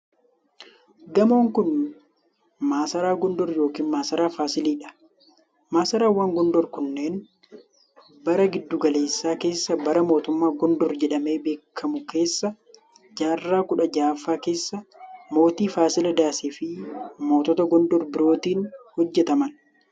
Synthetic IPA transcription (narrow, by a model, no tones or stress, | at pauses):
ɡɐmoːŋkʊn | maːsɐɾaːɡɔnd̪ɔɾjo̞ːkiːnmaːsɐɾaːfaːsɪliːᶑɐ̥ | maːsɐɾaːwaːŋɡɔnd̪ɔɾkʊnːe̞ːn | bɐɾɐɡɪd̪ːʊɡɐle̞ːsːaːke̞ːsːɐbɐɾɐmo̞ːt̪ʊmːaːɡɔnd̪ɔɾd͡ʒɛᶑɐme̞ːbe̞ːkʰːɐmʊke̞ːsːɐ | d͡ʒaːrːaːkʊᶑɐd͡ʒaːfaːke̞ːsːɐmo̞ːt̪iːfaːsɪlɐd̪aːseːfɪmo̞ːt̪ɔt̪ɐɡɔnd̪ɔɾbɪɾo̞ːt̪iːnhɔd͡ʒːɛt̪ɐmɐn